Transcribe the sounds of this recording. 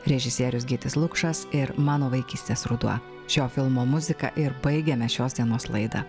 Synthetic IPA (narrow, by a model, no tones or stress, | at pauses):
ɾʲɛʒʲɪsʲiːɾʲʊsɡʲiːt̪ʲɪslˠʊkʃɐsɪɾmɑːnoːʋɐɪkʲiːsʲt̪ʲeːsɾʊd̪uɐ̰ | ʃʲoːfʲɪlˠmoːmʊzʲɪkɐ̰ʔɪɾbɐɪɡʲɛmʲɛʃʲoːsd̪ʲiɛnoːslˠɐ̰ɪd̪ɐ̰ː